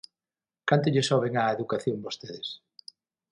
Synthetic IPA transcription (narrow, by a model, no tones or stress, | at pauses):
kant̪ʊʎɪsɔβ̞eŋaeðukaθjoŋbost̪eðɪs